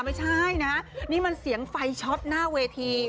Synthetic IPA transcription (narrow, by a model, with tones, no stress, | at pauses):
ma˦˥˩jt͡ɕʰa˥˩jna˦˥niː˦˥˩ma˧nsi˨˩˦əŋfa˧jt͡ɕʰɔ˦˥t̪̚naː˥˩weː˧t̪ʰiː˧